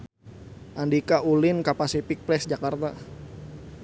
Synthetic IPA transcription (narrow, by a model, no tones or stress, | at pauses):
ʔandikaulɪnkapasifɪk̚pɾɛsd͡ʒakart̪a